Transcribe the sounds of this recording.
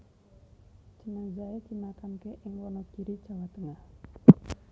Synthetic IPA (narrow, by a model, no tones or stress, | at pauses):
d͡ʒənaŋzaet̪inakankeʔɪŋwɔnɔkiɾi̥d͡ʒawat̪əŋah